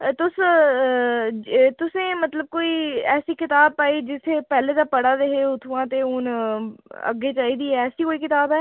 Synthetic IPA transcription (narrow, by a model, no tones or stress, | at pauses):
t̪ʊs | t̪ʊsẽːmət̪ləb̚koːiːɛːsiːkɪt̪aːb̚paːiːd͡ʒɪsʰeːpɛːleːd̪aːpəɽaːd̪eɦeːʊt̪ʰuãːt̪eːʊn | ə̰ɡːeːt͡ʃaːiːd̪iːɛːɛːsiːkoːiːkɪt̪aːbɛː